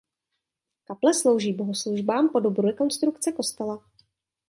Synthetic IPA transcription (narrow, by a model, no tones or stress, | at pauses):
kaplɛslo̞wʒiːbo̞ɦosluʒbaːmpo̞dobɾuɾɛko̞nst̪ɾukt͡sɛko̞st̪ɛla